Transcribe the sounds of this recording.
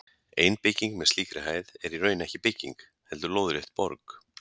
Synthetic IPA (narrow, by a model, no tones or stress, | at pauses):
eːjnpɪcːiŋkmɛðst̪iːkɾɪɦaːjðɛɾirœɥnɛhcɪpɪcːḭŋk | hɛlt̪ʏɾloːwðʏɾɪht̪̚pɔ̰ɾk